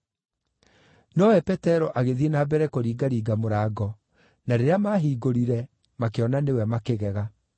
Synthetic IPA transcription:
nɔwɛpɛtɛɾɔʔaɣeðienaːbɛɾɛkoɾiːɡaɾiːɡamoɾaːɡɔ | naɾeɾeamaɦiːɡoɾiɾɛ | makeɔnanewɛmakeɣɛɣa

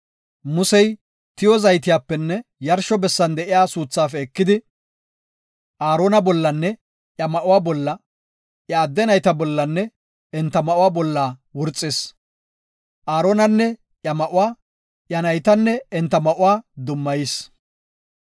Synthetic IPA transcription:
mʊsɛj | t̪ɪjɔzɐjt̪ɪjaːpːɛnːɛjɐɾʃɔbɛsːɐnd̪ɛʔɪjaːsuːt͡sːaːfɛːkːɪd̪ɪ | ʔaːɾo̞ːnɐbɔlːɐnːɛ | ʔjɐmɐʔʊwaːbɔlːɐ | ʔjɐːd̪ːɛnɐjt̪ɐbɔlːɐnːɛ | ɛnt̪ːɐmɐʔʊwaːbɔlːaːwʊɾt͡sʼːɪs | ʔaːɾoːnɐnːɛ | ʔjɐmɐʔʊwaː | ʔjɐnɐjt̪ɐnːɛɛnt̪ːɐmɐʔʊwaːd̪ʊmːɐjɪs

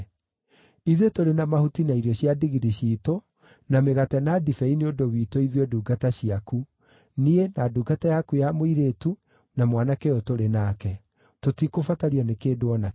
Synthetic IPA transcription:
iðwetoɾenamahutinaiɾjɔɕiadiɣiɾiɕito | nameɣatɛnadifɛineodowiːtoiðwɛduːɡataɕiaku | nienaduːɡatajakujamoiɾetu | namwanakɛotoɾenakɛ | totikofataɾiɔnekeːdoɔna

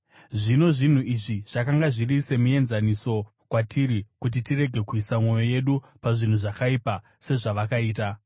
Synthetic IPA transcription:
ʐino̞ʐin̤uiʐiʐ̥akaŋɡaʐirise̞muje̞nzaniso̞ | kwatʰiɾikut̬itire̞ɡʱe̞kuisamwo̞jo̞je̞ɗu | paʐin̤uʐakaipa | se̞ʐaʋakaiːt̬a

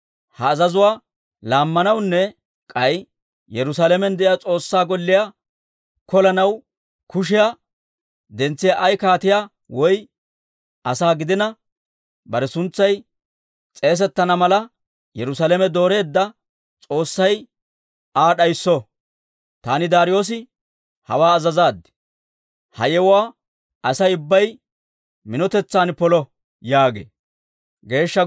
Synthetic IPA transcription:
hɐːzɐzʊwaː | laːmːɐnɐwnːɛ | kʼɐj | jɛɾʊsaːlɛmɛnd̪ɛʔɪjaːt͡sʼo̞ːsːaːɡɔlːɪja | kɔlɐnɐw | kʊʃ̬ɪja | d̪ɛnt͡sːɪjaʔɐjkaːt̪ɪja | wɔj | ɐsaːɡɪd̪ɪnɐ | bɐɾɛsʊnt͡sːɐj | t͡sʼe̞ːs̬ɛt̪ːɐnɐmɐlɐ | jɛɾʊsalɛmɛd̪o̞ːɾe̞ːd̪ːɐ | t͡sʼo̞ːsːɐj | aːɗɐjsːɔ | t̪aːnɪd̪aːɾɪjo̞ːs̬ɪ | hɐ̰waːɐzɐzaːd̪ːɪ̥ | hɐ̰jɛwʊwaː | ʔɐsɐjʊbːɐj | mɪnɔt̪ɛt͡sːaːnpɔlɔ | jaːɡḛː | ɡe̞ːʃːɐ

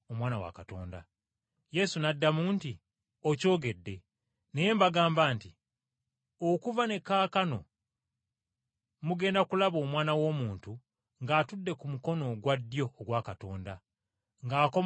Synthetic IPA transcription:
omwaːnawa̰kato̞̰ːnda̰ | je̞sunadːamuːnti | oco̞ːɡe̞dːe̞ | ne̞je̞ːmbaɡaːmbaːnti | okuvane̞kaːkano̞̰ | muɡe̞ːndakulaβo̞ːmwaːnawo̞ːmuːntu | ŋɡaːtudːe̞kumuko̞no̞ɡwadːjo̞ːɡwakato̞ːnda | ŋɡaːko̞

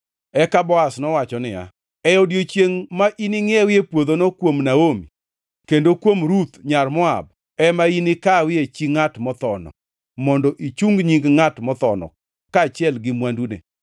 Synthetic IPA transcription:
ɛkabɔasnɔwat͡ʃɔnɪja̰ | ɛjɔdjot͡ʃjeŋmaʔinɪŋɪɛwɪepwod̪onɔkwomnaomḭ | kendokwomɾut̪ɲarmɔa̰b̚ | ɛmainɪkawɪet͡ʃiŋatmɔt̪ɔnɔ̰ | mɔndɔʔit͡ʃuŋɡɲiŋɡŋatmɔt̪ɔnɔ̰ | kaːt͡ʃɪɛlɡɪmwandunḛ

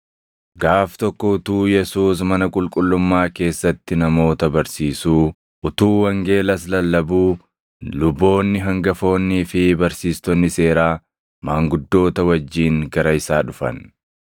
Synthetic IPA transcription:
ɡaːft̪ɔkːɔʊt̪uːjɛsuːs̬mɐnɐkʼʊlkʼʊlːʊmːaːke̞ːsːɐt̪ːɪnɐmo̞ːt̪ɐbɐɾsiːsuː | ʔʊt̪uːwɐŋɡe̞ːlɐs̬lɐlːɐbuː | lʊbːo̞ːnːɪɦɐŋɡɐfo̞ːnːiːfɪbɐɾsiːst̪ɔnːɪse̞ːɾaː | maːŋɡʊd̪ːo̞ːt̪ɐwɐd͡ʒːiːŋɡɐɾɐɪsaːᶑʊfɐ̰n

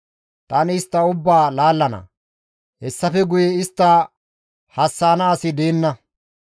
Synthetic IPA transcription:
t̪ʼɐnɪɪst̪ːɐʊbːaːlaːlːɐnɐ̰ | hɛsːɐfɛɡʊjɛɪst̪ːɐ | hɐsːaːnɐːsɪd̪eːnːɐ

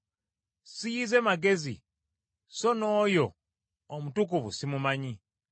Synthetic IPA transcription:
sijize̞maɡe̞zḭ | so̞noːjo̞ː | mutuk̬uβṵsimumaɲi

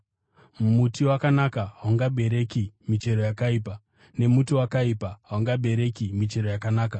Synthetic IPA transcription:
mutiwakanakaɦawaŋɡabe̞ɾe̞kimit͡ʃe̞ɾo̞jakaiːpa | ne̞mutiwakaipaɦaaŋɡabe̞ɾe̞kimit͡ʃe̞ɾojakanaːka

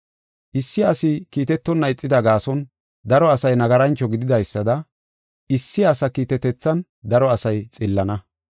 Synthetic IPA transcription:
ʔɪsːɪɐsɪkiːt̪ɛt̪ːɔnːɐɪt͡sʼːɪd̪ɐɡaːsɔn | d̪ɐɾɔɐsɐjnɐɡɐɾɐnt͡ʃːɔɡɪd̪ɪd̪ɐjsːɐd̪ɐ | ʔɪsːɪɐsɐkiːt̪ɛt̪ɛt͡sːɐn | d̪ɐɾɔɐsɐjt͡sʼɪlːɐnɐ

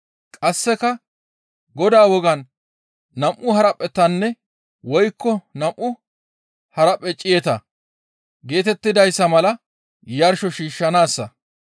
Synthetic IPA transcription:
kʼɐsːɛkɐ | ɡɔd̪aːwɔɡɐnː | ɐmʔʊhɐɾɐpʼːɛt̪ːɐnːɛ | wɔjkːɔnɐmʔʊ | hɐɾɐpʼːɛt͡ʃʼɪjɛt̪ɐ | ɡe̞ːt̪ɛt̪ːɪd̪ɐjsːɐmɐlɐ | jɐɾʃɔʃiːʃːɐnaːsːɐ

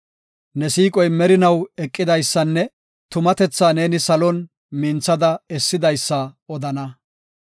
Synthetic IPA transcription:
nɛsiːkʼɔjmɛɾɪnɐwɛkʼːɪd̪ɐjsːɐnːɛ | t̪ʊmɐt̪ɛt͡sːaːne̞ːnɪsɐlɔn | mɪnt͡sːɐd̪ɐɛsːɪd̪ɐjsːɐɔd̪ɐnɐ

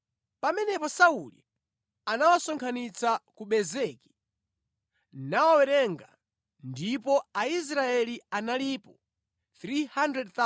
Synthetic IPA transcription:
pamɛnɛpɔsaulḭ | anawasɔŋkʰanit͡sakuɓɛzɛki̥ | nawawɛɾɛŋɡa | ndipɔais̬ɾaɛlianalipɔ | θɾihandɾɛd̚θa

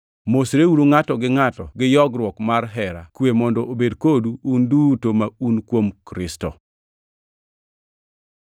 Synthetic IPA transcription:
mosɾeuɾoŋatɔɡɪŋatɔɡɪjɔɡɾwɔkmarɦɛɾa̰kwemɔndɔʔobedkoduːndutomaunkwomkɾɪstɔ̰

